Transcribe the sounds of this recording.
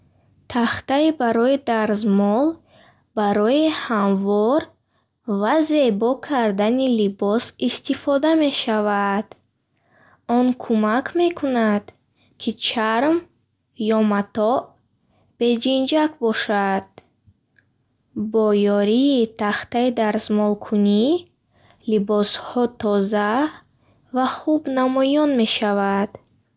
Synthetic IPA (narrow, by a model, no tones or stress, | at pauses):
t̪ʰaχt̪aibaɾɔid̪aɾzmɔl | baɾɔihamvɔɾ | vaze̞bɔkʰaɾd̪anilibɔsist̪ifɔd̪ame̞ʃavad̪̥ | ɔnkʰumakʰme̞kʰunad̪̥ | kʰit͡ʃʰaɾm | jɔmat̪ɔʔ | b̥e̞d͡ʒind͡ʒakbɔʃad̪̥̚ | bɔjɔɾiːt̪ʰaχt̪aid̪aɾzmɔlkʰuni | libɔshɔt̪ʰɔza | vaχubnamɔjɔnme̞ʃavad̪̥